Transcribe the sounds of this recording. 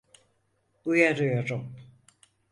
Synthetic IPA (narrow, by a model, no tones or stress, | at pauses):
ujaɾɯjoɾum